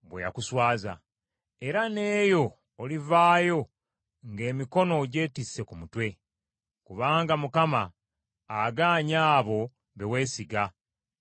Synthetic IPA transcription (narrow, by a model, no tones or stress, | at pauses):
βweja̰kuswaːza̰ | e̞ɾane̞ːjo̞ː | livaːjo̞ | ŋɡe̞ːmiko̞no̞ɟe̞ːtisːe̞kumutwe̞ | kuβaːŋɡamukamaː | ɡaːɲaːβo̞ | βewe̞ːsiɡa